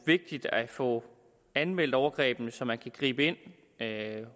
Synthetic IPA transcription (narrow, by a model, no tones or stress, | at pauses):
ʋe̝ɡ̥̚d̥id̥æfɔ̽ | ænmel̰d̥ɒʊɐɡ̥ʁɛ̰ːb̥n̩sɒ̽mænkʰæɡ̥ʁḭːb̥əe̝n̰